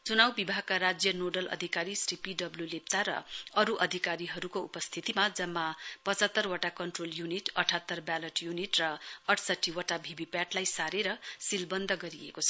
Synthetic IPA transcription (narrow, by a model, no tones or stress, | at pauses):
t͡sunawbibʱaɡ̚kaɾad͡zjʌnoɖʌlʌ̰d̪ʱikaɾisripiɖʌbljulep̚t͡saɾʌ̰ʌɾuʔʌd̪ʱikaɾiɦʌɾukoupʌst̪ʰit̪imad͡zʌmːapʌt͡sʌt̪ːʌrwaʈakʌɳʈroljuniʈʌʈʰat̪ːʌrbjalʌʈjuniʈrʌʌʈʰsʌʈʰːiwaʈabʱibipjaʈlajsaɾeɾʌsilbʌnd̪ʱʌɡʌɾiḛkot͡sʰʌ